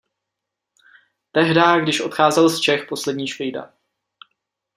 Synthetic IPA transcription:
t̪ɛɦdaːɡdɪʃʔo̞t̪xaːzɛlst͡ʃɛxpo̞slɛdɲiːʃvijda̰

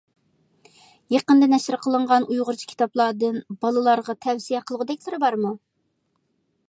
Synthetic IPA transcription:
jeqənd̪ɨnɛʃɪɾqʰəlˠəɴʁɑnujʁʊɾt͡ʃʰi̥kʲʰi̥t̪ɑplˠɑːd̪ɨnbɑlˠɨlˠɑɾʁɑt̪ʰɛwsijɛqʰəlˠəʁʊd̪ɛkʲlɪɾɪbɑɾmu

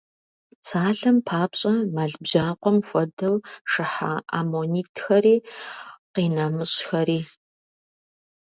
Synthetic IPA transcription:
t͡sʰaːɮɐmpʰaːpɕʼɐmaːɮbʑaːqʷɔmxʷɔdɐwʂɨħa̰a̰ːmoːniːtʰxɐɾiː | qiːnamɨɕxɐɾiː

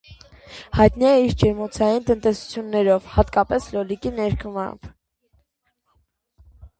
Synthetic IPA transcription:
hɑjt̪niɛiɾd͡ʒɛmɔt͡sʰɑjint̪ənt̪ɛsu̥t͡sʰjunːɛɾɔvhɑt̪kɑpɛslɔlikinɛɾkʰəmɑ̰mb

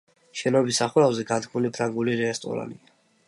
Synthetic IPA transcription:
ʃɛnɔbisːaχuɾavzɛɡad̪ɡmulipʰɾaŋɡuliɾɛɛst̪ʼɔ̰ɾa̰nḭa

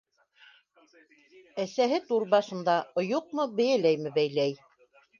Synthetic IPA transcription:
æsæɦɘt̪uɾβɑʃɤ̆nd̪ɑŏjuq̚mɤbɘ̆jælæjmɘbæjlæj

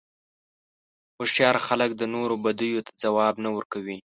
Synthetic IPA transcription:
xoʃjɑɾxalək̚d̪ənoɾobad̪ujot̪ʰḁd͡zawɑbnawəɾkawi

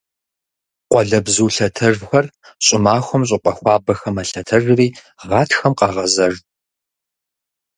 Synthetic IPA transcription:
qʷɔɮɐbzuːɬɐtʰɐrxʷɐr | ɕʼɪmaːxʷʊmɕ̬ʼɪqʷʼɐxʷɑːbɐxɐmɐɬɐtʰɐrriː | ʁɑːtʰxɐmqɑʁɐzɐr

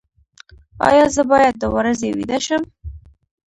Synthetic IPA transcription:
ɑ̰jɑzəbɑjad̪̚ːəwɾazewḭd̪aʃəm

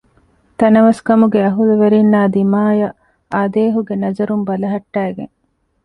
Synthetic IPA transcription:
t̪ɐnɐʋɐskɐmuɡeɐɦulɐʋeɾinːaːd̪imaːjɐ | aːd̪eːɦuɡenɐzɐɾumbɐlɐɦɐʈːæːɡḛŋ

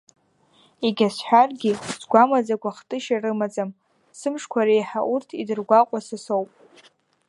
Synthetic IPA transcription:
eɡʲasħʷᶣarɡʲizɡʷamad͡zaɡʷaχtʼɨʃarɨmat͡sʼam | sɨmʂkʷʰaɾejħaʔurtʰidɨrɡʷaqʷʼasɨsowpʼ

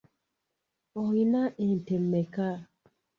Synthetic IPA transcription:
ɔhinaʔɛn̩tɛm̩ːɛka

